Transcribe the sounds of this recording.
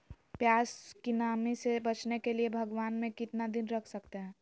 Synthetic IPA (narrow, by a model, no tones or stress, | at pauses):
pjaːskinaːmisebət͡ʃnekeliebʱɐɡʋaːnmẽkɪt̪nad̪ɪnɾəkʰsəkt̪eɦɛ̃ː